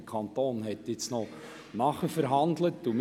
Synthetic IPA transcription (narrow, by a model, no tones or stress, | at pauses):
əkʰɑnt̪oːnɦɛtjɪt͡snɔ | nɑχəfəɾɦɑndlətːum